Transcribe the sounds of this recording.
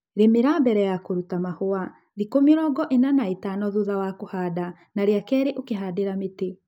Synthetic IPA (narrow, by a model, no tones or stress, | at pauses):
ɾemeɾaːmbɛɾɛjakoɾutamahoa | ðikomeɾɔɡɔʔenanaetanɔðuðawakohaːda | naɾeakɛːɾeʔokeɦaːdeɾamete